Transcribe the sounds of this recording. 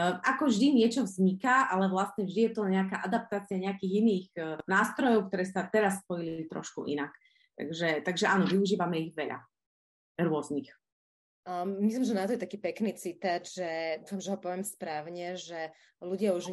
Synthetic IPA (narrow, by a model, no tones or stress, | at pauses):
ʔakɔvʒd̪iɲɪɛt͡ʃɔvzɲikaʔalɛʋlast̪ɲɛvʒd̪ijɛt̪ɔɲɛakaːʔad̪ap̚t̪aːt͡siaɲɛakiːɣiniːɣnaːst̪ɾɔjɔʊkt̪ɔɾɛːsat̪ɛɾas̬ːpɔjilit̪ɾɔ̰ʃkṵʔḭnak | t̪a̰ɡʒɛt̪aɡʒɛʔanɔʋiuʒiːʋamɛiɣʋɛʎa̰ | ɾʊɔznix | mislimʒɛnat̪ɔjɛt̪akiːpɛkniːt͡sit̪ad͡ʒʒɛufamʒɛɦɔpɔʋɪɛmspɾaːʊɲɛʒɛ | luɟɪauʒ